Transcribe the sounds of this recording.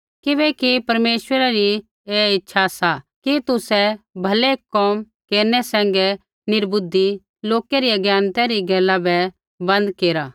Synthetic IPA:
kɪbɛkipɐɾmeːʃʋəɾaɾi | eːɪtːʃʰasakit̪ʊsɛbʱɐlekɔːm | keːɾnɛsɛ̃ːŋ̆ɡɛ | nɪɾbʊd̪i | loːkɛɾiɐɡjaːnt̪ɛɾiɡɛːlːabɛ | bɐ̃nd̪keːɾa

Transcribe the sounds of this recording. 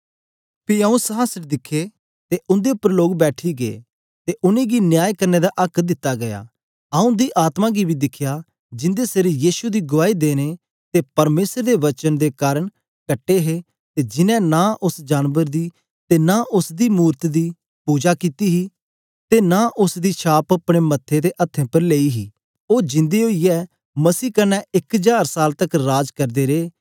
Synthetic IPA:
piəũsəɦasəɾd̪ɪkʰːe | t̪eʔʊ̃nd̪epːəɾloːɡbɛːʈʰiɡeḛ | t̪eʔʊniɡinjaːjkɐɾned̪aʔɐkʰd̪ɪt̪ːaɡɐja̰ː | ɐũd̪iʔaːt̪mãɡibʱid̪ɪkʰːja | d͡ʒɪ̃nd̪eseɾijiːsud̪iɡʊʋaːid̪eːne | t̪epɐɾmeːsəɾd̪eʋɐt͡ʃənd̪ekaːɾəɽ̃ | kɐʈːeɦe | t̪eːd͡ʒɪnɛ̃ːnaːʔʊsd͡ʒaːnʋəɾd̪iː | t̪eːnaːʔʊsd̪iːmuːɾt̪d̪iː | puːd͡ʒaːkiːt̪iːɦiː | t̪eːnaːʔʊsd̪iːʃʰaːpɐpɽ̃eːmɐt̪ʰːeːd̪eːʔɐt̪ʰːẽːpəɾleːiːɦiː | oːd͡ʒɪ̃nd̪eːɦoːiɛː | məsiːkənɛ̃ːɪkd͡ʒaːɾsaːlt̪əkɾaːd͡ʒkəɾd̪eːɾeː

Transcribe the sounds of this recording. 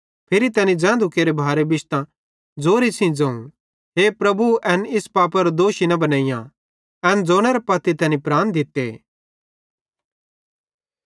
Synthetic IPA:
pʰɪɾit̪ɛːnĩd͡zɛ̃ːnd̪ukeːɾebʱaːɾebɪʃt̪ã | d͡zoːɾisĩd͡zɐ̃ṵ̃ | ɦeːpɾɐbuɛnɪspaːpɐɾd̪oːʃinɐbɐnaːijã | ɛːnd͡zoːñeɾepɐt̪ːit̪ɛːnĩpɾaːnd̪ɪt̪ːḛ

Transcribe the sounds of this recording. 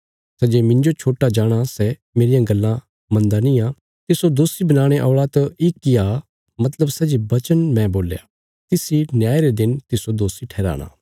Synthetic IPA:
sɛd͡ʒeːmɪ̃ɲd͡ʒot͡ʃʰoːʈad͡ʒaːɽ̃asɛ | meːɾijãɡɐlːã | mɐ̃nd̪anĩã | t̪ɪsod̪oːsibɐnaːɽ̃eʔɔːɭat̪ɐɪkːɪa | mɐt̪ləbsɛd͡ʒebɐt͡ʃənmɛ̃boːlja̰ː | t̪ɪsinjaːeɾed̪ɪnt̪ɪsod̪oːsiʈʰɛːɾa̰ːɽ̃a̰ː

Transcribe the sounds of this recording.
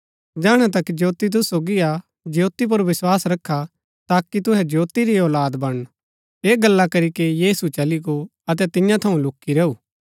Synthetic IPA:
d͡ʒaːɽ̃ɛt̪ɐkːid͡ʒoːt̪it̪̬ʊsoːɡia | d͡ʒjoːt̪ip̬ʊɾʋɪswaːsɾɐkʰːa | t̪aːkit̪ʊɦɛd͡ʒjoːt̪iɾiɔːlaːd̪bɐɽ̃ | eːɡɐlːakɐɾikejiːsut͡ʃɐliɡo | ɐt̪̬ɛt̪ɪ̃jãt̪ʰɐũlʊkːiɾɐuː

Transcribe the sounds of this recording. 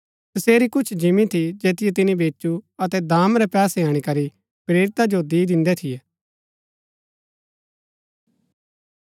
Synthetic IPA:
t̪ɐseːɾikʊt͡ʃʰd͡ʒɪmĩt̪ʰid͡ʒeːt̪ɪjɛt̪̬ɪnĩbeːt͡ʃuɐt̪ɛd̪aːmɾɛpɛːsɛaːɽ̃ikɐɾi | pɾeːɾɪt̪ad͡ʒod̪iːd̪ɪ̃nd̪ɛt̪ʰiɛː

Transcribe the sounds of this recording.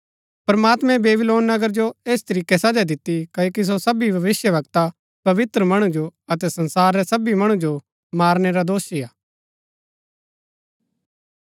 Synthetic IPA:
pɾmaːt̪mɛ̃beːbɪloːnːɐɡəɾd͡ʒoeːst̪ɐɾiːkesɐd͡ʒad̪ɪt̪ːikɐoːkis̬osɐbibʱɐʋɪsjəʋɐkt̪a | pɐʋɪt̪ɾəmɐɽ̃ud͡ʒoɐt̪ɛsɐ̃nsaːɾːɛsɐbimɐɽ̃ud͡ʒo | maːɾneɾad̪oːʃiaː

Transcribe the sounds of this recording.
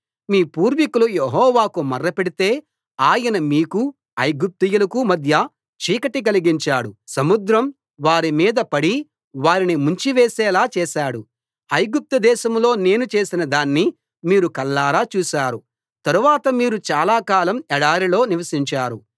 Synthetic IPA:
miːpuːɾʋikulujeɦɔːʋaːkumɐrːɐpeɽit̪e̞ː | aːjɐnɐmiːku | ɐjɡup̚t̪ijulɐkumɐd̪ʱjɐ | t͡ʃiːkɐʈik̬ɐliɡiɲt͡ʃaːɽusɐmud̪ɾɐm | ʋaːɾimiːd̪ɐpɐɽi | ʋaːɾinimuɲt͡ʃiʋeːsɛːlaːt͡ʃɛːʃaːɽu | ɐjɡup̚t̪ɐd̪ɛːʃɐmlo̞ːne̞ːnut͡ʃe̞ːsinɐd̪aːnːi | miːɾukɐlːaːɾaːt͡ʃuːʃaːɾu | t̪ɐɾuʋaːt̪ɐmiːɾut͡ʃaːlaːkaːlɐmɛɽaːɾilo̞ːniʋɐsiɲt͡ʃaːɾṵ

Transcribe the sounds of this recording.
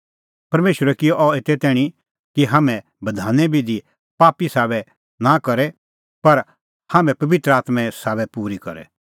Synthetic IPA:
pɐɾmeːʃəɾɛkɪjɔʔɔeːt̪ɛt̪ɛːɽ̃i | kiɦaːmɛ̃ | bɐd̪ʱaːnɛbʱid̪i | paːpisaːβɛ | nakɐɾɛ | pɐɾ | haːmɛ̃pɐʋɪt̪ɾəaːt̪mɛ̃saːβɛpuːɾikɐ̰ɾɛ̰

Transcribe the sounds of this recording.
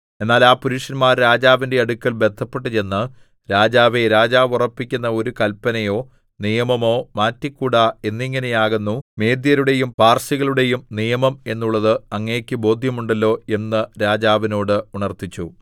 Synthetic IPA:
e̞nːaːlaːpuɾuʂɐnmaːɾɾaːd͡ʑaːʋinde̞ɐɽukʲːɐlbe̞d̪ʰʱːɐpːe̞ʈːɨt͡ɕe̞nːɨ | ɾaːd͡ʑaːʋeɾaːd͡ʑaːʋurɐpːikʲːunːɐo̞ɾukɐlpːɐnɐjo̞ː | nijɐmɐmo̞ːmaːtːikːuːɽae̞nːiŋːɐne̞jaːɣunːume̞ːd̪jɐɾuɽe̞jumpaːrsiɣɐɭuɽe̞jumnijɐmɐme̞nːuɭːɐðɨɐŋːeːkʲːɨbo̞ːd̪ʱjɐmuɳɖɐlːo̞ːe̞nːɨɾaːd͡ʑaːʋino̞ːɽɨuɳɐrt̪it͡ɕːu

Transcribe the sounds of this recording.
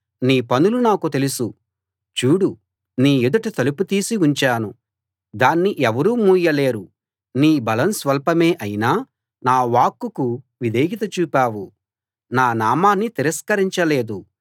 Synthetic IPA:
niːpɐnulunaːkut̪e̞lusu | t͡ʃuːɽu | niːjud̪ɐʈɐt̪ɐluput̪iːsiuɲt͡ʃaːnu | d̪aːnːiʔɛʋɐɾuːmuːjɐle̞ːɾu | niːbɐlɐnsʋɐlpɐmeːʔɐjinaː | naːʋaːkːuku | ʋid̪eːɡit̪ɐt͡ʃuːpaːwu | naːnaːmaːnːit̪iɾɐskɐɾiɲt͡ʃɐle̞ːd̪u

